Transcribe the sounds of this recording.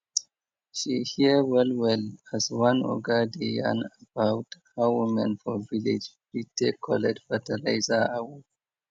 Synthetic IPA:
ʃihiəwɛlwɛləzwãnɔ̰ɡadijã̰nəbaʊthawumɛ̃nfɔvilid͡ʒbitekʰɔlɛd͡ʒfətalaɪzaawu

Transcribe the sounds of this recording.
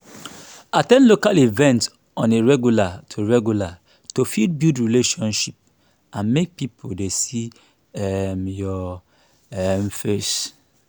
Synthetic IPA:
atɛ̃ndlokalivɛ̃nt | ɔ̃neɹɛɡjulatʰoɹɛɡjula | tofid̚bidɹileʃɔ̃nʃip̚ | ãnmek̚pipʰodesi | ɛmjɔ | ɛmfes

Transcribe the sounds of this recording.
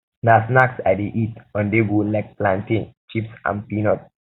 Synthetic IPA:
nasnaksadeʔitɔ̃ndeɡolak̚plãnʈĩŋt͡ʃipsã̰mpinɔt̚

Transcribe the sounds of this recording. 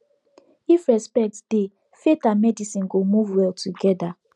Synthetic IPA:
ifɹɛspɛk̚td̥e | fetamɛdisĩnɡomuvwɛltʰuɡɛda

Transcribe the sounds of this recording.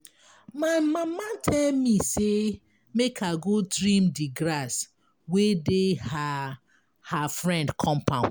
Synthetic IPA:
maɪmamatʰɛlmise | mekʰaɡodɹĩmdiɡɾas | wedeha | hafɹɛ̃ndkʰɔ̃mpã̰

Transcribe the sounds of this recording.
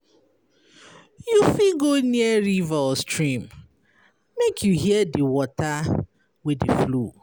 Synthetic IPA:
jufiɡoniɛɹivaɔstɹĩm | mekʰjuɦiɛdiwɔta | wɪdḭflu

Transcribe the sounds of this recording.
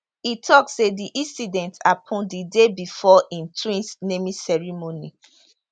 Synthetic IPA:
itʰɔkssediʔĩnsidɛ̃ntapʰɔ̃ndidebifɔʔĩntʰwĩnsnemisɛɹimoni

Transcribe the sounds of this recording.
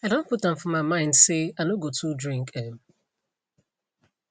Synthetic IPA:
aɪdõnputɛ̃mfɔmaɪmãɪ̃ndseanoɡotʰudɹĩŋkɛm

